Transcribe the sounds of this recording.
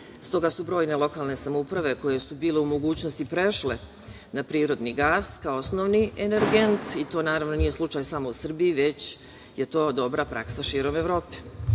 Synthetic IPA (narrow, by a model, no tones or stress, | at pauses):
st̪o̞ɡasubɾo̞ːjne̞lˠo̞kaːlˠne̞samoupɾaʋe̞ko̞je̞subiːle̞umo̞ɡuːt͡ɕnost̪ipɾe̞ʃle̞ | napɾiːɾo̞d̪niɡaːskaoosnoʋnieneɾɡent̪it̪o̞ːnaːɾaʋno̞nije̞slˠut͡ʃajsamo̞usr̩biiʋe̞t͡ɕ | je̞t̪o̞ːd̪o̞bɾapɾa̰ksaʃiːɾome̞ʋɾo̞ːpe̥